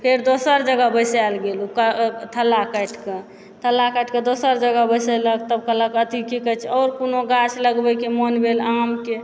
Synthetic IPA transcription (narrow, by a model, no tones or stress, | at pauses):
pʰeɾd̪osəɾd͡ʒəɡabəsalɡelukət̪ʰəlːakəʈʰke | t̪ʰəlːakəʈʰked̪osəɾd͡ʒəɡəbəsələkt̪əbkələkət̪ikikət͡ʃʰɔːɾkonoɡat͡ʃʰləɡbəkemonbelamke